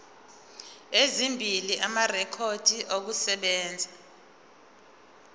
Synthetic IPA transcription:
ezimbʱiliʔamarɛkʰod̥ʱiʔok̬usɛɓɛːnd͡zʱa

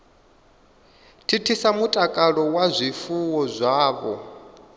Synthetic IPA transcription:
tʰitʰisamutʼakʼaɺɔwazʷifuwɔzʷaːβɔ̰

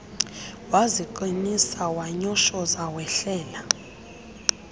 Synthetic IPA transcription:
waziǃinisawaɲɔʃɔzawɛɬɛːla

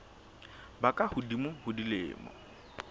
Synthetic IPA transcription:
bakʼahʊdimʊhʊdilɪ̰ːmɔ̰

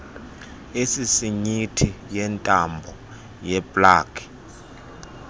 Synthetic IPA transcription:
esisiɲitʰijɛntʼambʱɔ | jɛpʼlaːkʰʼi̥

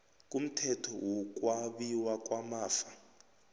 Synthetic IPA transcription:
k̬ʼum̩tʰɛtʰɔwɔk̬ʼwaɓiwak̬ʼwamaːfa

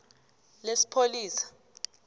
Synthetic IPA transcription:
lesi̥pʰoliːsḁ

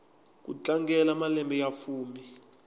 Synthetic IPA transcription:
k̬ṵt͡ɬaŋɡɛlamalɛmbɛjafuːmi

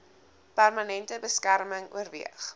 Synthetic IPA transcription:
pærmɐnɛntəbəskærməŋṵərviəχ

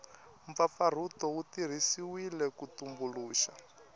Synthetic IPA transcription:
ɱp̪fafaɾ̤utɔutir̤isiwilɛkutumbuluːʃa

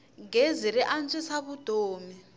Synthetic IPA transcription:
ŋɡeziɾɛʔant͡ʃʼɛsaβud̥ʱoːmi

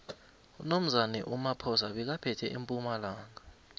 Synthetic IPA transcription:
unom̩zanɛʔumapʰɔs̬aɓɛk̬apʰɛtʰɛʔimpʼumalaːŋa

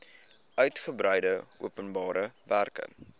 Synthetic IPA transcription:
ʔœɥtχəbɾɛjdəuəpənbɑːɾəværkə̰

